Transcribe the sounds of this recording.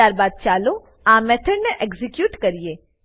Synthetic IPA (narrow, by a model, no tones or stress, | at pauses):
aɾbad̪̚t͡ʃalo | amɛt̪ʰəɽneʔɛɡzikjuːʈkəɾije